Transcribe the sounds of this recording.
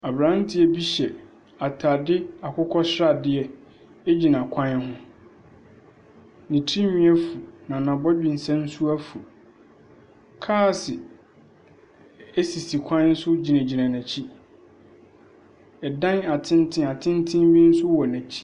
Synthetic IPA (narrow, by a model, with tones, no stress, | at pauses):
a˨bɾã˨˦n˦tʰɪ˨˦ɛ˦bi˦ɕɛ˨ | a˨tʰa˨dɪ˦a˨kʰʊ˦kʰɔ˦ɕɾa˨dɪ˦ɛ˦ | ɛ˦d͡ʑi˨nã˨kʷʰã˦hʊ̃˦ | nĩ˨tʰi˦nĩ˦ɛ˦fu˨nã˨nã˨bɔ˦d͡ʑᶣĩ˨n˨sɛ̃˦n̩˦sʊ˦æ˦fu˨ | kʰaː˦˨sɪ˨ | e˦si˨si˨kʷʰã˦n̩˦sʊ˦d͡ʑi˨næ̃˨d͡ʑi˨nã˨næ̃˨t͡ɕʰi˦ | ɛ˨dã˦na˨tʰɪ̃˦n˦tʰɪ̃˦a˨tʰɪ̃˦n˦tʰɪ̃˦m˦bĩ˦n̩˦sʊ˦wɔ˨næ̃˨t͡ɕʰi̥˦